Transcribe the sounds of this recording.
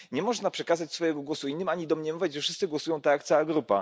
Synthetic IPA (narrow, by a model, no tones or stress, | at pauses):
ɲɛmɔʐnapʂɛkazat͡ɕsfɔjɛɡɔɡwɔsuinːɘmaɲid̪ɔmɲɛmɔvʲad͡ʑʐɛfʂɘst̪sɘɡwɔsujɔ̃w̃t̪ajakt̪sawaɡɾupa̰